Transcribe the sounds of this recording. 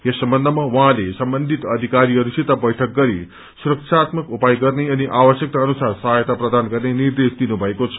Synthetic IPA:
jesəmbənd̪ʱəmãʋʌɦãlesəmbənd̪ʱit̪əd̪ʱikaɾiəɾusit̪abəjʈʰək̚ɡʌɾi | suɾəkʂʰaːt̪məkupajɡʌɾneəniʔaʋəʃjək̚t̪aənusaɾsəɦajt̪apɾəd̪anɡəɾneniɾd̪esd̪inubʱʌekot͡sʰʌ̥

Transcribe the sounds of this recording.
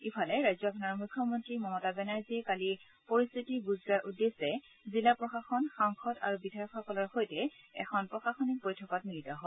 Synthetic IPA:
ipʰalɛɹajzɔkʰɔnɔɹmukʰːjɔmɔntɹimɔmɔtabɛnaɹzikali | poɹist̪ʰitiɡuzɹaɹʔudesɛ | zilapɹɔxaxɔnxaŋxʰɔta̰ɹubidʱajɔkxɔkɔlɔɹxojtɛɛ̰xʰɔnpɹɔxaxɔnik̚bojtʰɔkɔtmilitaɦɔ

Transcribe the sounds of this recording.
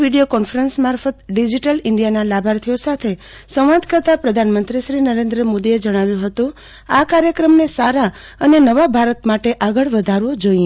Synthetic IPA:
ʋiɖijokɔnfəɾənsmaɾfət̪ɖid͡ʒiʈəlɪɳɖijanalabʱaɾt̪ʰijosat̪ʰe | sə̃w̃ʋad̪kəɾt̪apɾəd̪ʱanmənt̪ɾiʃɾinəɾẽnd̪ɾəmod̪ied͡ʒəɽ̃aʋjũɦət̪ũ | akaɾjəkɾəmnesaɾa | ənenəʋabʱaɾət̪maʈeʔaɡəɭʋəd̪ʱaɾʋõd͡ʒoĩ

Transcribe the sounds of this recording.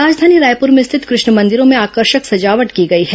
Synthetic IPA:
ɾaːd͡ʒd̪ʱaːniɾaːjpʊɾmẽst̪ʰɪt̪kɾʊʃɳəmɐ̃nd̪ɪɾõmẽaːkəɾʃəksɐd͡ʒaːʋəʈkiɡɐiɦɛ

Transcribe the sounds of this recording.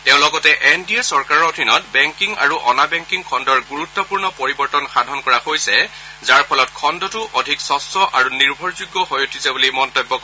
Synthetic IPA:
teʊ̃lɔɡɔtɛʔɛndiesɔɹkaɹɔɹodʱinɔtbɛŋkiŋa̰ɹuʔɔnabɛŋkiŋkʰɔndɔɹɡuɹutːɔpuɹnɔpoɹibɔɹtɔnxadʱɔnkɔɹahojsɛ | zaɹpʰɔlɔtkʰɔndɔtuʔodʱiksɔsɔʔaɹuniɹbʱɔɹzuɡːɔxojotʰizabulimɔntɔbːɔkɔ

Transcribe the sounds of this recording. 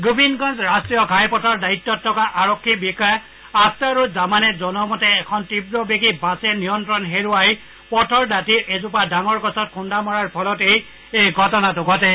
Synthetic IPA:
ɡubinɡɔnzɹastɹijɔɡʱajpɔtʰɔɹdaitːɔtʰːɔkaʔaɹɔkʰːibikɔja | astaɹuzamanɛzɔnɔmɔtɛːkʰɔntibɹɔbeɡibasɛnijɔntɹɔnɦeɹuaɦi | pɔtʰɔɹdatiɹʔezʊp̬adaŋɔɹkɔsɔt̚kʰundamɔɹaɹpʰɔlɔtej | ejɡʱɔtɔnatʊɡʱɔtɛ

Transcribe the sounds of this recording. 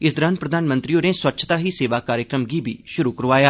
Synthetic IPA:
ɪsd̪əɾanpɾəd̪ʱaːnmə̃nt̪ɾioːneːswətːʃʰət̪aːɦiːseːʋaːkaːɾjəkɾəmɡiːbʱḭːʃʊɾuːkəɾʋaːjaː

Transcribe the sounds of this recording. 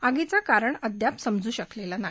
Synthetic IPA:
aɡit͡sakaɾəɳəd̪japsəmd͡zuːɕəklelana

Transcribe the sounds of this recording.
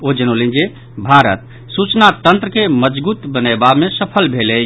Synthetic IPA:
od͡ʒənolĩnd͡ʒe | bʱaɾət̪̚ | sut͡ʃnat̪ənt̪ɾəkeməd͡ʒbut̪bənəbamesəpʰəlbʱele

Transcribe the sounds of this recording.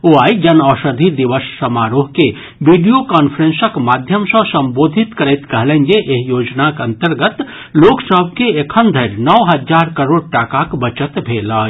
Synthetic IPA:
oːaːid͡ʒɐnɔːʃəd̪ʱid̪iʋəssɐmaːɾoːɦke | ʋiɖijokaːnfʰəɾẽnsəkmaːd̪ʱjəmsə̃sɐ̃mboːd̪ʱɪt̪kɐɾet̪kɐɦlə̃nd͡ʒeʔeɦjoːd͡ʒnakɐ̃nt̪əɾɡət̪ | loːksəbʱkeekʰənd̪ʱəɾnɔʋɦɐd͡ʒaːɾkəɾoːɽ̚ʈaːkakbət͡ʃət̪bʱeːlaː

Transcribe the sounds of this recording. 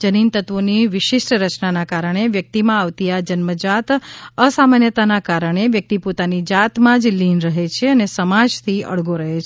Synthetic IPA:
d͡ʒənint̪ət̪ʋoniʋɪʃɪʃʈɾət͡ʃnanakaɾəɽ̃eʋjək̚t̪imãaʋt̪ijad͡ʒənməd͡ʒat̪əsamanjət̪anakaɾəɳ̃eʋjək̚t̪ipot̪anid͡ʒat̪mãd͡ʒlinɾəɦet͡ʃʰeənesəmad͡ʒt̪ʰiə̰ɭɡoɾəɦet͡ʃʰ

